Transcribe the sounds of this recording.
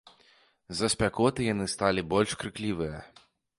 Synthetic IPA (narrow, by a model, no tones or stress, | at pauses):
zɐsʲpʲakɔt̪ɨjanɨst̪alʲibɔlʲʂkɾɨklʲivɨjɐ